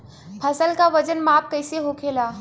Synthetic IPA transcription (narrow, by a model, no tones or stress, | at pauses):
pʰəsəlkaʋəd͡ʒənmap̚ʰkəɪseɦokʰela